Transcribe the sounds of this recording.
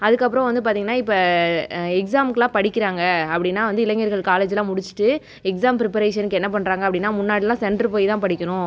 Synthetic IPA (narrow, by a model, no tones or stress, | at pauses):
ɐðɯkːɐpːɯɾɔ̃ʋɐnd̪ɯp̬aːɾt̪iːŋɡɐnːaːɪpːɐ | ɛks̬aːmkːɯlãːpɐɽɪkːɪɾaːŋɡɐɐpːɐɽɪnːaːʋɐnd̪ɯɪlɐŋːɐɾɣɐɭkaːleːd͡ʒɪlãːmʊɽɪt͡ʃːɯ̥ʈːɯ | ɛks̬aːmpɾɪpɐɾeːʂɐnɯkːɛnːɐp̬ɐɳːɾaːŋɡɐpːɐɽɪnːaːmʊnːaːɽɪlãːsɛɳɖɾɯpoːjt̪ãːpɐɽɪkʲːɐnʊ̃